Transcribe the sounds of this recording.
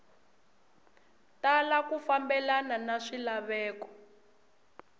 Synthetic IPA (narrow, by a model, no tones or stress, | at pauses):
talakufambɛlananaʂilaβɛːkɔ̥